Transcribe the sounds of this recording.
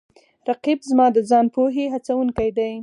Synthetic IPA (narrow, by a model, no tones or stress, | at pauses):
ɾaqibzmɑd̪əzɑnpoɦeɦat͡sawuŋkajd̪aj